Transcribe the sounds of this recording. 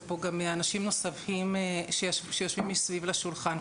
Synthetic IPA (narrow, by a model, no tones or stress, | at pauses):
po̞ɡameanaʃimno̞safhimʃeʃejoʃvimisvivleʃulχan